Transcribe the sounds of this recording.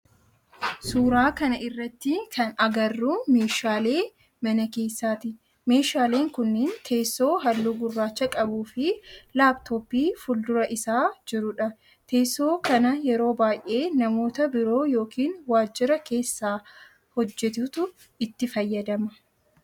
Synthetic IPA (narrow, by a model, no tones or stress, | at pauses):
suːɾaːkɐnɐʔɪrːɐt̪ːɪkʰɐnɐɡɐrːuːme̞ːʃaːle̞ː | mɐnɐke̞ːsːaːt̪ɪ | me̞ːʃaːle̞ːŋkʊnːɪnt̪ʰe̞ːso̞ːɦɐlːuɡʊrːaːt͡ʃːɐkʼɐbuːfɪlaːbt̪ʰoːbiːfʊld̪ʊɾɐʔɪsaːd͡ʒɪɾʊᶑɐ | t̪e̞ːso̞ːkɐnɐjɛɾo̞ːbaːjʔe̞ːnɐmo̞ːt̪ɐbɪɾo̞ːjo̞ːkiːnwaːd͡ʒːɪɾɐke̞ːsːaː | hɔd͡ʒːɛt̪ʊt̪ʊ | ɪt̪ːɪfɐjːɐd̪ɐmɐ